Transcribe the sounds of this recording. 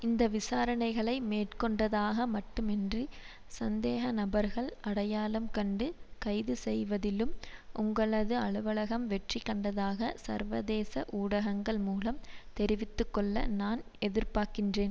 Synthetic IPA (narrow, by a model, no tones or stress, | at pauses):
ɪnd̪ɐʋɪsaːɾɐɳɐɪɣɐɭɐɪmeːʈkɔɳɖɐðaːɣɐmɐʈːɯmɛndri | sɐnd̪eːɣɐnɐbɐɾɣɐɭɐɽɐjaːlɐmkɐɳɖɯkɐɪðɯsɛjʋɐðɪlɯmʔʊŋɡɐɭɐðɯɐɭɯʋɐɭɐɣɐmʋɛʈrikːɐɳɖɐðaːɣɐsɐ̰ɾʋɐðeːsɐʔuːɽɐɣɐŋɡɐɭmuːlɐmt̪ɛɾɪʋɪt̪ːɯkːɔɭːɐ̰naːn | ɛðɪɾpaːɾkɪndreːn